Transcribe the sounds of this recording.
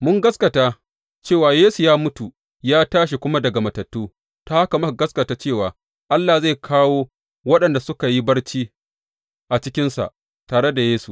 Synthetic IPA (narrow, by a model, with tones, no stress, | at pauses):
mʊ˦ŋɡɐ˦skɐ˨taː˦ | t͡ʃeː˦˨waː˨jeː˦su˨jaː˦mʊ˦tu˨ | jaː˦taː˦ʃ̬i˨kʷʊ˦ma˦dɐ˨ɡa˨mɐ˨tɐ˨tːuː˦ | ta˦ha˦ka˨mɐ˦˨ɡɐ˦skɐ˨taː˦t͡ʃeː˦˨waː˨ | ʔa˦lːa˨za˦˨jkʰaː˦woː˦ | wɐ˦ɗɐ˨nda˨sʊ˦ka˨ji˦bɐ˦ɽt͡ʃiː˦ | ʔa˨t͡ʃɪ˦kʲɪ˦nsa̰˨ʔ | taː˨ɽe˦da˨jeː˦su˨